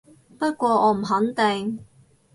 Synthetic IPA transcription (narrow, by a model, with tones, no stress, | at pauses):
pɐ˥t̚kʷwɔː˧ʔɔː˨˧m̩˨˩ɦɐ˨˥nt̪ɪ˨ŋ